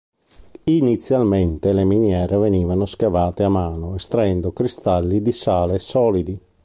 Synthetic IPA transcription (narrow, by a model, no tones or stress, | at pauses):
init̪sːjalment̪eleminjɛːɾeveniːvanoskavaːt̪eamːaːnoest̪ɾaɛnd̪okɾist̪alːid̪isaːlesɔːlid̪i